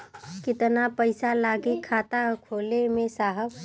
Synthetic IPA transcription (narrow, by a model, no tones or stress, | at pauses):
kɪt̪napəɪsalaːɡikʰaːt̪akʰoːlemẽsaːɦəb